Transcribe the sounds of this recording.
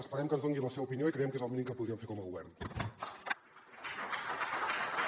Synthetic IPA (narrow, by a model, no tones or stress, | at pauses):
əspəɾɛmkənzðoŋɡiləseβəupinijoikɾəjɛmkezəlˠminiŋkəpuðɾiəɱfeɾkɔməɣuβɛ̰rn